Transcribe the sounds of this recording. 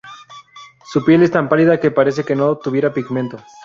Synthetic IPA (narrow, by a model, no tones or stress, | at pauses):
supje̞le̞st̪ampaliðakepaɾe̞s̬e̞ke̞no̞t̪uβje̞ɾapiɣme̞nt̪o